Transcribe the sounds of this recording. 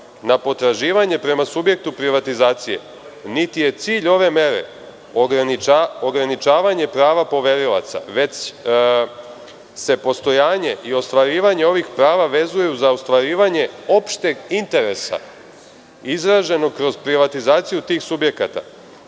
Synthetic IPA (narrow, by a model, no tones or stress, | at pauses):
napo̞t̪ɾaʒiːʋaɲe̞pɾe̞masubje̞k̚t̪upɾiʋat̪izaːt̪sije̞̰ | nit̪ije̞t̪siːʎo̞ʋe̞me̞ɾḛ | nioɡɾanit͡ʃaːʋaɲe̞pɾaːʋapo̞ʋe̞ɾila̰t̪sa̰ʋe̞t͡ɕ | se̞po̞st̪o̞jaːɲe̞ʔio̞st̪ʋaɾiːʋaɲe̞o̞ʋixpɾaːʋaʋe̞zujjuzaost̪ʋaɾiːʋaɲe̞o̞pʃt̪eɡint̪e̞ɾe̞sa̰ | izɾaʒe̞no̞kɾo̞zpɾiʋat̪izaːt̪sijut̪iːxsubje̞kat̪a̰